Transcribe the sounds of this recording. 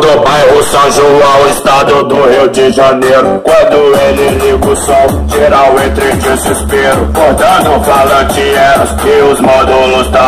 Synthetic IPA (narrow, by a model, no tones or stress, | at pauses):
d̪opajhʊsɐ̃ʒolawɪst̪ad̪ʊd̪ʊhiwd͡ʒɪʒanejɾʊkwɐ̃nd̪ʊelɪliɡʊso | ʒeɾawẽt̪ɾɪd͡ʒɪzɪspeɾʊkoɾd̪ɐ̃d̪ʊfalɐd͡ʒiɛɾʊsɪʊzmod̪olʊsd̪a